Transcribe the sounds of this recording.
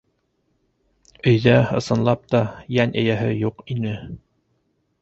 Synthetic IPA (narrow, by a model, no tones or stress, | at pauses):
ɵ̆jðæɤ̆sɤ̆nlˠɑp̚t̪ɑjænɘ̆jæɦɘjuqinɘ